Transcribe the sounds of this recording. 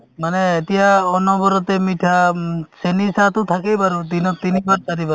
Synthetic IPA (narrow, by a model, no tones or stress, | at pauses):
manɛːt̪ijaɔnɔbɔɾɔt̪ɛmiʈʰasenisat̪ut̪ʰakejbaɾud̪inɔt̪inibaɾt̪aɾibaɾ